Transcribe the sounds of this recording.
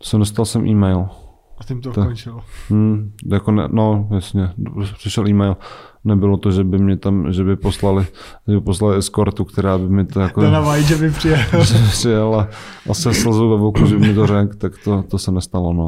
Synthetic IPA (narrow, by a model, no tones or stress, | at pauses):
sɛdos̬t̪alsɛmʔiːmɛjl | t̪ɪmt̪t̪t͡ʃɪlmm̩jakonɛ̰nojasɲɛopr̥ɪʃɛlʔiːmɛjl | nɛbɪlot̪oʒɛbɪmɲɛt̪amʒɛbɪposlalɪ | ʒɛbɪposlalɪɪskoɾt̪ukt̪ɛɾaːbɪmɪt̪ojakonavajiʒɛbɪpr̥ɪjɛpr̥ɪjɛlaʔasɛslzowvɛvokuʒɛbɪmɪt̪oɾɛkt̪akt̪ot̪osɛnɛst̪alono